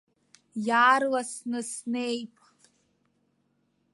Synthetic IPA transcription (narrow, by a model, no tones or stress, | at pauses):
jaːrlasnɨsnejpʼ